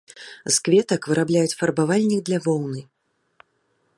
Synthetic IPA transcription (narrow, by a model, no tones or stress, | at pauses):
skvʲɛt̪ɐkvɨɾablʲajut͡sʲfɐrbavalʲnʲiɡd̪lʲavɔwnɨ